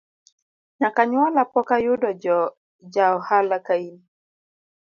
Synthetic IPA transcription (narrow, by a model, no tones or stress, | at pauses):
ɲakaɲwalapɔkajʊdɔd͡ʒɔ | d͡ʒaɔhalakaini